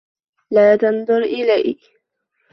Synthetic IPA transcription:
laːt̪ɑnd̪ˤʊɾʔɪlaj

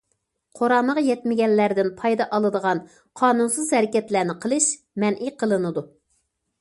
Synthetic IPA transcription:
qʰoɾɑnːəʁjɛt̪mɪɡʲɛnlːæɾd̪ɪnpʰɑjd̪ɑʔɑlˠɨd̪əʁɑn | qʰɑːnunsɨzhɛɾɪkʲɛt̪læɾnɪqʰəlˠɨʃ | mɛnʔijqʰəlˠɨnɨd̪u

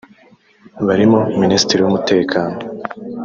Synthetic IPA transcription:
βaɾimominiːsi̥tiɾiwumute̞ːkʰaːno̞

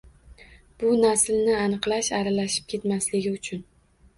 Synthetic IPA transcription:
b̥ʊnaslnɪanɨqlˠaʃaɾalaʃɪ̥p̚kʲʰe̞t̪maslɪɡʲɪʊt͡ʃʰʊn

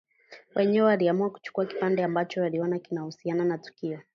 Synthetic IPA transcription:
wʔɛɲɛwɛwaliamuaku̥t͡ʃu̥kuaki̥pandɛambat͡ʃɔwaliɔnakinahusiananatu̥kiɔ

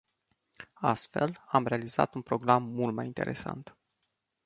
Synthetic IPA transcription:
ast̪fe̞lamɾe̞aliza̰t̪unpɾo̞ɡɾamːult̪̚majint̪e̞̰ɾʔe̞̰sa̰nt̪

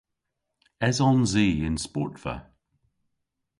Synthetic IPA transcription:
ɛzɔ̃nziːɪ̃nspɔ̰ˑtfə̰

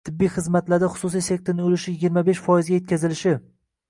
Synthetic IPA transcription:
t̪ʰɪbːijχɨzmat̪laɾd̪aχʊ̥susijse̞k̚t̪ɪɾnɪŋolɪʃɪjɪɡʲiɾmabeʃfɒjɪzɡʲaje̞t̪̚ʲkʲazɪlɪʃɪ

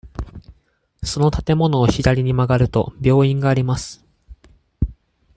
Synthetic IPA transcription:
so̞no̞t̪at̪e̞mo̞no̞ːɕid̪aɾʲiɲ̟imaɡaɾɯ̟t̪o̞̰bʲo̞ːĩŋɡaːɾʲimasɨ̥

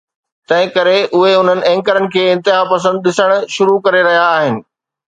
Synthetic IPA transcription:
t̪ɐ̃ɦɪ̃kɐɾeʔʊɦeʊn̤ənɪ̆ɛ̃ːŋkəɾənɪ̆kʰeːɪ̃nt̪ɪɦapɐsə̃nd̪̚ɗɪsəɽ̃ʃʊɾukɐɾeɾɐɦijaːɦɪnɪ̆

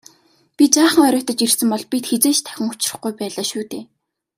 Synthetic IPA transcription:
pʲit͡saːχə̆ŋœɾʲʊːt̪ə̆t͡ɕirsɘ̆mpɔɮpʲit̪xet͡seːt͡ɕt̪ʰæ̥xʲɪ̆ŋʊt͡ɕɪrə̆χɡujpæːɮaːʃuːt̪eː

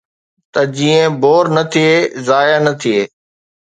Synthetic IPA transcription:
t̪ɐd͡ʑiːə̃boːɾnɐt̪ʰieːzaːjanɐt̪ʰieː

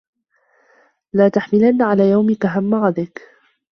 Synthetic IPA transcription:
laːt̪aħmɪlanːaʕalaːjawmɪkaɦamːaɣad̪ɪk

